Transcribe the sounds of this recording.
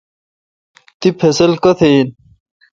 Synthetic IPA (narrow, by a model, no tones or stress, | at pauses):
t̪ipʰesɐlkɐt̪ʰen